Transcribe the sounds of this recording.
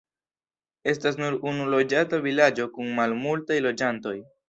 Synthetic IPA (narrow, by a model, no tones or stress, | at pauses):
e̞s̬tas̬nuɾunulo̞d͡ʒatavilad͡ʒo̞kunmalmultajlo̞d͡ʒanto̞j